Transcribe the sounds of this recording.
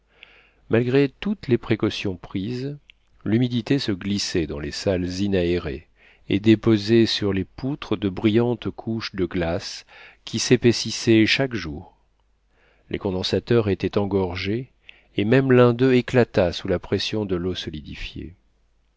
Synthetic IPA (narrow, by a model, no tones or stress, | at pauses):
malɡʁet̪ut̪lepχekɔsjɔ̃pχiz | lymid̪it̪esəɡlisɛd̪ɑ̃lesalzinaeʁḛ | ed̪epozɛsyʁleput̪χəd̪əbʁijɑ̃t̪kʰuʃd̪əɡlaskʲʰisepesisɛʃakʒuːʁ | lʔḛkɔ̃d̪ɑ̃sat̪œʁet̪ɛt̪ɑ̃ɡɔʁʒeː | mɛmlɛ̃d̪øeklat̪asulapχesjɔ̃d̪əlosɔlid̪ifjḛ